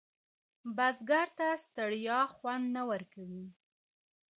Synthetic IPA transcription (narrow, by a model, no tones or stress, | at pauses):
bazɡaɾt̪ast̪aɽjɑxwand̪nawəɾkawi